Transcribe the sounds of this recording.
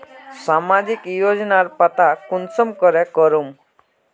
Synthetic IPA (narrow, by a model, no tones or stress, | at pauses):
samad͡ʒikjod͡ʒnaɾpat̪akunsɔmkɔɾɛkɔɾum